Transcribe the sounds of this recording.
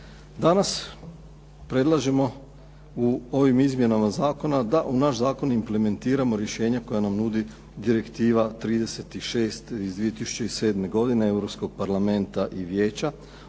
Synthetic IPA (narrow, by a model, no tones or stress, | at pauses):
d̪anas | pɾe̞d̪lˠaʒemo̞ | uo̞ʋimizmje̞namazaːko̞nad̪aʔunaʃzaːko̞nimple̞me̞nt̪iːɾamo̞ɾje̞ʃe̞ːɲakojanamnud̪i | d̪iɾe̞kt̪iːʋat̪ɾiːd̪e̞se̞t̪iʃe̞ːst̪izd̪ʋije̞t̪isu̥t͡ɕeise̞ːd̪me̞ɡo̞d̪inee̞ʋɾo̞pskoɡ̚paɾlˠame̞nt̪aʔiʋjeːt͡ɕa